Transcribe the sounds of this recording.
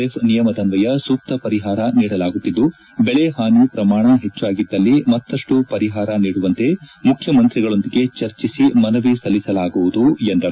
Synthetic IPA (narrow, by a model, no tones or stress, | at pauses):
efʰnijɐmɐd̪ɐnʋɐjɐsuːk̚t̪ɐpɐɾiɦaːɾɐniːɽɐlaːɡut̪ːid̪ːu | bɛɭeɦaːniːpɾɐmaːɳɐɦe̞t͡ʃːuaːɡid̪ːɐlːimɐt̪ːɐʂʈupɐɾiɦaːɾɐniːɽuʋɐnt̪e̞mukʰjɐmɐnt̪ɾiɡɐɭo̞nd̪iɡe̞t͡ʃɐɾt͡ʃisimɐnɐʋisɐlːisɐlaːɡuʋud̪uend̪ɐɾu